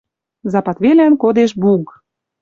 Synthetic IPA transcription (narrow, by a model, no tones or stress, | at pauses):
zɑpɑt̪βelænkod̪eʃ̬buk